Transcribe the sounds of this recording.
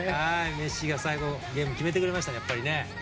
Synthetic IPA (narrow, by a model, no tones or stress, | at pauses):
haime̞ɕiɡasaiɡo̞ɡʲẽ̞ːmɯ̟kʲime̞t̪e̞kɯ̟ɾe̞maɕi̥t̪ajapːaɾʲine̞